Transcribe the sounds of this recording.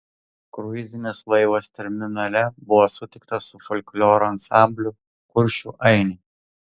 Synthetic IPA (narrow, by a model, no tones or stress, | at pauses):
kɾʊɪzʲɪnʲeslˠɐɪʋɐst̪ʲɛɾʲmʲɪnɐlʲɛbʊʋɔsʊt̪ʲɪk̚t̪ɐʊfɔlʲklʲoːɾʊɐnsɑˑmʲbʲlʲʊ | kʊɾʲʃʲuʔɐɪnʲɪ